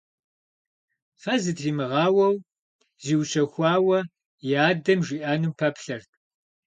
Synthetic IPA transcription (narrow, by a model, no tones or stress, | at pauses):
fɐzɨtriːmɨʁɑːwɐw | ziːwɕɐxʷɑːwɐ | jaːdɐmʒiːʔaːnɨmpʰɐpɬɐrtʼ